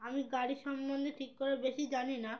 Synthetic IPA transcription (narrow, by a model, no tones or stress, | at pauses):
amiɡaɽiʃɔmbond̪eʈʰikːoɾebeʃid͡ʑanina